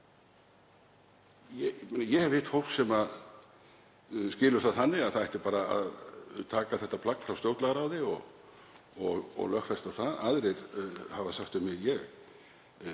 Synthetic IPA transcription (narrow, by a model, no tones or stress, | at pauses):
jɛmenajɛhɛvhɪt̪fowl̥ksɛma | scɪːlʏɾ̥θaðθanːɪɣaðθaðɛht̪ɪ̥paːɾaa̰ðt̪ʰaːkaθɛht̪ːapʰlakfɾawst̪jowt̪laɣaɾaːwðɪɔ̰ɣ | ɔɣɔ̰ɣlœhxfɛst̪awθaðaðɾejɾ̥havasaxt̪ʏmjɪjɛɣ